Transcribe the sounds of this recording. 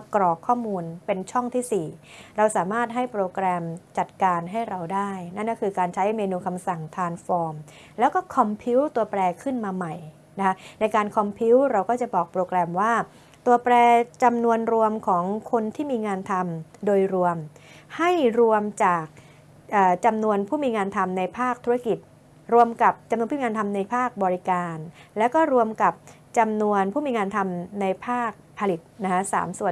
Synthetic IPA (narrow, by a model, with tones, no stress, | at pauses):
kɾɔː˨˩kʰːɔː˥˩muː˧npe˧nt͡ɕʰɔ˥˩ŋt̪ʰiː˥˩siː˨˩ɾa˧wsaː˩˦maː˥˩t̪̚ɦa˥˩jpɾoː˧kɾɛː˧mt͡ɕa˨˩t̪̚kaː˧nɦa˥˩jɾa˧wdaː˥˩jna˥˩nkɔː˥˩kʰɯː˧kaː˧nt͡ɕʰa˦˥jmeː˧nuː˧kʰa˧msa˨˩ŋt̪ʰaː˧ŋfɔː˧m | lɛː˦˥wkɔː˥˩kʰɔ˧mpʰi˦˥wt̪u˧ɐpɾɛː˧kʰɯ˥˩nmaː˧ma˨˩j | na˦˥kʰa˦˥na˧jkaː˧nkʰɔ˧mpʰi˦˥wɾa˧wkɔː˥˩t͡ɕa˨˩bɔː˨˩k̚pɾoː˧kɾɛː˧mwaː˥˩ | t̪u˧ɐpɾɛː˧t͡ɕa˧mnu˧ənɾu˧əmkʰɔː˩˦ŋkʰo˧nt̪ʰiː˥˩miː˧ŋaː˧nt̪ʰa˧mdoː˧jɾu˧əmha˥˩jɾu˧əmt͡ɕaː˨˩k̚ | ʔɤː˨˩t͡ɕa˧mnu˧ənpʰuː˥˩miː˧ŋaː˧nt̪ʰa˧mna˧jpʰaː˥˩k̚t̪ʰu˦˥ɾa˥ki˨˩t̪̚ | ɾu˧əmka˨˩p̚t͡ɕa˧mnu˧pʰːi˧ŋaː˧nt̪ʰa˧mna˧jpʰaː˥˩k̚bɔː˧ɾi˦˥kaː˧nlɛ˦˥wkɔː˥˩ɾu˧əmka˨˩p̚ | t͡ɕa˧mnu˧ənpʰuː˥˩miː˧ŋaː˧nt̪ʰa˧mna˧jpʰaː˥˩k̚pʰa˧li˨˩t̪̚na˦˥kʰa˦˥sa̰ː˩˦msu˨˩ən